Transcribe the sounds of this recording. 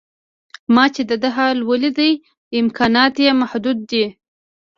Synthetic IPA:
mɑt͡ʃed̪əd̪əɦɑlwəlid̪əj | ɪmkʰɑnɑt̪jemahd̪ud̪ːi

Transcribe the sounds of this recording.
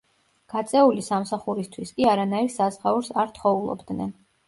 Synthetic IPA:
ɡ̥at̪sʼɛulisamsaχuɾist̪ʰwiskʼiaɾanaiɾsazʁauɾsaɾt̪ʰχɔulˠɔ̰bd̪nɛ̰n

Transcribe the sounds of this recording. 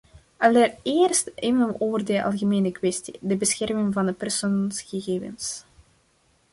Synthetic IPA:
ʔɑlərɪːrstɪvəloːvərdəʔɑ̰lˠɣəmeːnəkwɛstḭdəbəsxɛrmɪŋvɑndəpɛrsoːnsɣəɣeːvə̰ns

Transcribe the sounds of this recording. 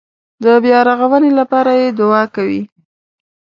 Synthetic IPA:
d̪əbjɑɾaɣawənelapɑɾajed̪ʊɑkawḭ

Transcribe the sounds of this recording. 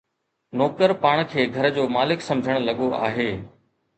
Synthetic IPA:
nɔːkəɾpaːɽ̃kʰeːɡʱɐɾd͡ʑoːmaːlɪksɐ̃md͡ʑʱəɽ̃lɐɠoa̰ːɦeː

